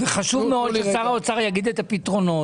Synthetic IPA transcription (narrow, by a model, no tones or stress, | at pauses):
veχaʃuvmeod̪ot͡saʁaot͡saʁjaɡid̪et̪apit̪ʁo̞no̞